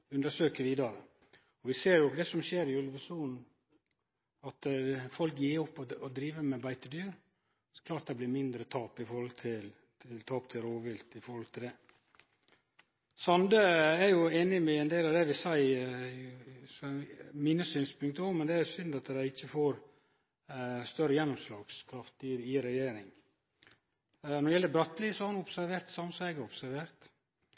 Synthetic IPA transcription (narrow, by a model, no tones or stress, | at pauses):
ʉnd̪əʂøːkəʋiːd̪ɑɾə | ɔʋɪseːɾjʊd̪ɛsɔmɕeːɾɪʉləʋəsuːnn̩ | ɑt̪fɔlkjiːɔpːɔɔd̪ɾiːʋəmɛbæɪt̪əd̪yːɾ | kʰlɑːʈ̪̚d̪ɛblɪmɪnd̪ɾət̪ʰɑːpɪfɔɾhɔlt̪ʰɪlʰ | ɪlt̪ʰɑːp̚t̪ʰɪlɾoːʋɪlt̪ɪfɔɾhɔlt̪ʰɪld̪ɛ | sɑnd̪əæɾjʊeːnɪmɛɛnd̪eːlɑʋd̪ɛʋɪsæɪ | sɔmɪnəsyːnspʰʉŋkt̪əɔmmɛnd̪ɛæɾʊsʏnd̪ɑt̪d̪æɪɪçːəfoːɾ | st̪œɾːəjɛnːʊmslɑːɡ̥skʰɾɑft̪ɪɪɾɛjeːɾɪŋ | nɔɾɪjɛlːəbɾœt̪ːliːsɔhɑɾnɔpsæɾʋeːɾt̪sɑmsɛɡəɔpsæɾʋeːɾt̪